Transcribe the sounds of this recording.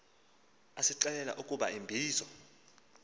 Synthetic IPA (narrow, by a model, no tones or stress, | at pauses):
asiǀɛlɛla̰ʔukʼuɓa̰imbʱiːzɔ